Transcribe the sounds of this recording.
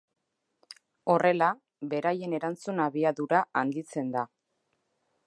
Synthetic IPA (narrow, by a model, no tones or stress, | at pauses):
o̞re̞la | βe̞ɾaje̞ne̞ɾant͡sunaβiaðuɾaand̪it͡se̞nd̪a